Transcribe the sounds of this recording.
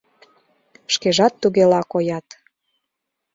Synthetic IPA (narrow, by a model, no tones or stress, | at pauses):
ʃkeʒɑt̪ːuɣelɑkojɑt̪